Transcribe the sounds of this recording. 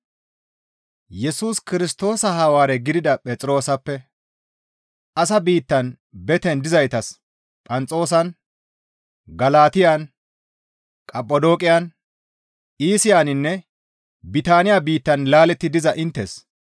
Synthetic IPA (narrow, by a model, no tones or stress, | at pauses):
jɛsuːskɪɾɪst̪o̞ːsɐɦɐwaːɾɛɡɪd̪ɪd̪ɐpʼɛt͡sʼɪɾo̞ːsɐpːɛ | ʔɐs̬ɐbiːt̪ːɐn | bɛt̪ɛnd̪ɪzɐjt̪ɐs | pʼɐnt͡sʼo̞ːs̬ɐn | ɡɐlaːt̪ɪjan | kʼɐpʼːɔd̪o̞ːkʼɪjan | iːsɪjaːnɪnːɛ | bɪt̪aːnɪjabiːt̪ːɐnlaːlɛt̪ːɪd̪ɪzɐʔɪnt̪ːḛs